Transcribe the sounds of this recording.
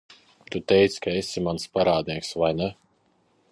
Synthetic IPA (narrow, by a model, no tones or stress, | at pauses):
t̪ut̪ɛjt̪sʲkaesimanspaɾaːd̪̚niɛksvajnɛ